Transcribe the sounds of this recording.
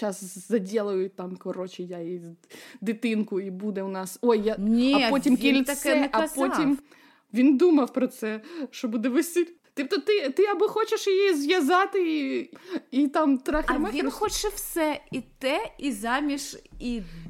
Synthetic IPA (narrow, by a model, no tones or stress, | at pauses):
t͡ʃɑszɐdʲɛlˠɔjʊt̪ɑmkɔɾɔt͡ʃɪjaid̪ɪt̪ɪnkʊibud̪ɛʊnɑsɔjːanʲiɐɔtʲimʲkilʲsɛɐpɔtʲim | ʋʲind̪umɐwpɾɔt̪sɛʃt͡ʃɔbud̪ɛʋɪsʲilʲt̪ipt̪ɔt̪ɪt̪ɪɐbɔxɔt͡ʃeʃjjijizʋʲjɐzɑt̪ɪi | it̪ɑmt̪ɾɑxʲimɛʋ̪ʲxɔt͡ʃɛwsɛit̪ɛizɑmʲiʃi